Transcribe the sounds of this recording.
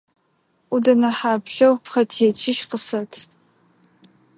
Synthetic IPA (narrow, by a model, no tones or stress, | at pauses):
ʔʷudɐnɐħaːpɬɐwpχɐtʰeːt͡ʃʰɪʃqəsɐtʰ